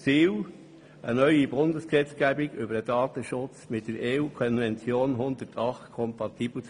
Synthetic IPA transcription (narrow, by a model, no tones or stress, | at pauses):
t͡siːw | ʔənœʏibʊndəsksɛt͡sɡ̥æbɪɡ̥ʏbəɾdədɑːtəʃʊt͡smɪt̚d̥əɾeːuːkʰɔnvɛnt͡sjoːnɦʊndətʰɑχtkʰɔmpɑtiːblət͡s